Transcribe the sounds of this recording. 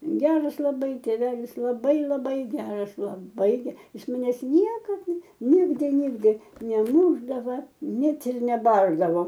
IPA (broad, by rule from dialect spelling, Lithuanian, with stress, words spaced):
ˈɡʲæːrɐs lˠɐˈbɐɪ tʲeːˈʋʲæːlʲɪs lˠɐˈbɐɪ lˠɐˈbɐɪ ˈɡʲæːrɐs lˠɐˈbɐɪ ˈjɪs mɐˈnʲɛs ˈnʲiɛkɐt ˈnʲɪɡdʲɪ ˈnʲɪɡdʲɪ nʲɛˈmuːʒdɐʋɐ ˈnʲɛt ɪr nʲɛˈbɐrdɐʋoː